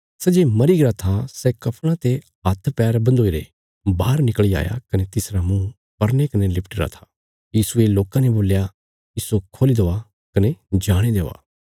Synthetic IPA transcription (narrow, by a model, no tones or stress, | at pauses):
sɛd͡ʒeːmɐɾiɡɪɾat̪ʰasɛkɐpʰɽ̃ãt̪e | ɦɐt̪ʰpɛːɾbɐ̃nd̪oːiɾḛ | baːɾnɪkɭia̰ːja̰kɐnet̪ɪsɾamũ | pɐɾnekɐnelɪpʰʈɪɾa̰t̪ʰḁ | jiːsueloːkãneboːlja | ɪsokʰoːlid̪oːa | kɐned͡ʒaːɽ̃ed̪eːʋa̰ː